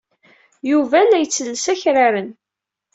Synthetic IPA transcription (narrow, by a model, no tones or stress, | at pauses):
juvælæjət͡sːəlːəsæçɾaɾən